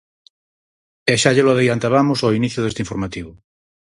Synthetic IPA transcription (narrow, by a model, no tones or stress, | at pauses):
eʃaʎeloaðejant̪aβamosainiθjʊðest̪eiɱfoɾmat̪iβʊ